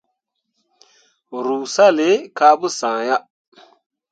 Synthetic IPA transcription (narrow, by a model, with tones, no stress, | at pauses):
ɾu˨sa˦le˨˦ka˦bu˦sã˨ja˦